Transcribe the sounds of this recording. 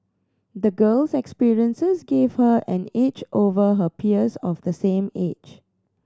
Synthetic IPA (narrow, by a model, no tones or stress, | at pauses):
d̪əɡəlsɛkspiɹiə̃nsəsɡev̥həʔɛ̃net͡ʃʔovəɦəpʰiəsɔfd̪əsẽmḛd͡ʒ